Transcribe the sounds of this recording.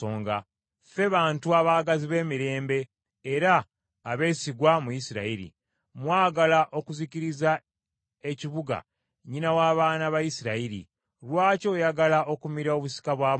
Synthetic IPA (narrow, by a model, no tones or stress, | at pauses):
oːŋɡa | fe̞βaːntuaβaːɡaziβe̞ːmiɾe̞ːmbe̞ː | ɾaː | βe̞siɡwamujisiɾa̰iɾḭ | mwaːɡalaʔo̞kuziciɾiza | e̞ciβuɡa̰ | ɲinawaːβaːnaβajisiɾaiɾḭ | lwaːco̞jaɡalao̞kumiɾao̞βusi̥kaβwaː